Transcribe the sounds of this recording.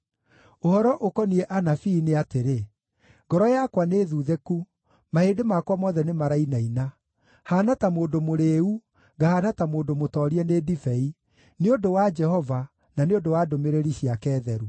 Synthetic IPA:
ohɔɾɔʔokɔniɛʔanafiːneateɾe | ɡɔɾɔjakwaneðuːðeku | mahedemakwamɔːðɛnemaɾainaina | haːnatamoːndomoɾeːu | ɡahaːnatamoːdomotɔːɾiɛneːdifɛi | neodowad͡ʒɛhɔva | naneondowadomeɾeɾiɕiakɛːðɛɾu

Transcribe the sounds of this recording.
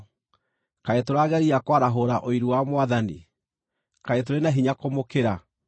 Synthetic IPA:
kaetoɾaːɣɛɾiakwaɾaɦoɾaʔoiɾuwamwaðanḭ | kaet̬oɾenaɦiɲakomokeɾa

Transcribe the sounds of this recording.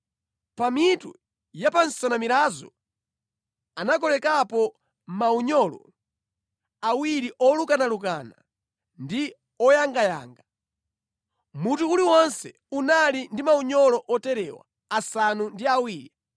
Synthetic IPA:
pamitṵ | japanssɔnamiɾazɔ̰ | anakɔlɛkapɔ | mauɲɔlɔ̰ | awiɾiʔɔlukanalukana̰ | ndi | ɔjaŋɡaja̰ːŋɡa | mutuuliwɔnsɛ | unalindimauɲɔlɔʔɔtɛɾɛwa̰ | asanundiawiːɾi

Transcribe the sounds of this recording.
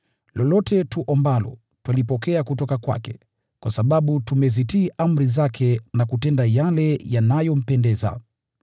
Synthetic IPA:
lɔlɔtɛtuʔɔmbalɔ̰ | twalipɔkɛakutɔkakwa̰kɛ̰ | kwasaɓaɓutumɛzitiːʔam̩ɾizakʰɛnakutɛndajalɛjanajɔm̩pɛndɛza̰

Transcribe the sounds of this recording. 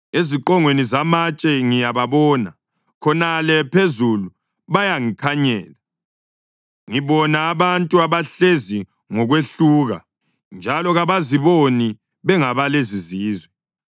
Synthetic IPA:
eziǃɔŋwenizamat͡ʃʼɛŋijaβaβɔːna | kʰɔnalɛpʰezulu | βajaŋikʰaɲɛːla | ŋiβɔnaːβantʼuaβaɬezi | ŋɔɣweɬuːɣa̰ | nd͡ʒʱalɔɣaβaziβoni | βɛŋaβaleziziːzwɛ

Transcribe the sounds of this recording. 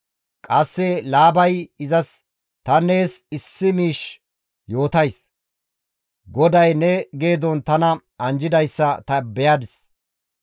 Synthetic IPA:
kʼɐsːɛlaːbɐjɪzɐs | t̪ɐne̞ːsɪsːɪmiːʃ | jo̞ːt̪ɐjs | ɡɔd̪ɐjnɛɡe̞ːd̪ɔnt̪ɐnɐ | ɐnd͡ʒɪd̪ɐjsːɐt̪ɐbɛjaːd̪ɪs

